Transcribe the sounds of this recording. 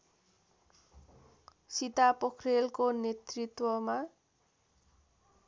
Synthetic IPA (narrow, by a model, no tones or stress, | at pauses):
sit̪apʌkʰrelkonet̪rit̪wʌma